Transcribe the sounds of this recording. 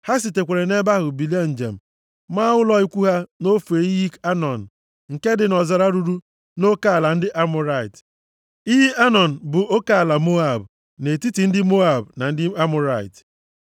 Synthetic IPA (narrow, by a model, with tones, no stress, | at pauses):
ha˦s̬i˨te˨kʷe˨ɾe˨ne˦ba˦ɦʊ˨bi˨le˦n̩˨d͡ʒḛ˨m̩˨ | ma˦ʊ˦lɔ˦i˦kʷu˦ɦa˦no˦fe˨i˦ji˦ka˦nɔ˨n̩˨ | ŋ̩˨ke˦dɪ˨nɔ˨za˨ɾa˦ɾu˨ɾu˦ | no˦ka˦a˨la˨n̩˦dɪ˦ʔa˦mʊ˦ɾa˦˨ɪ˨t | i˦ɦi˦ʔa˦nɔ˨n̩˨bʊ˨ʔo˦ka˦a˨la˨mo˦a˦˨b | ne˨ti˦ti˨n̩˦dɪ˦mo˦a˨bna˨n̩˦dɪ˦a˦mʊ˦ɾa˦˨ɪ̰˨t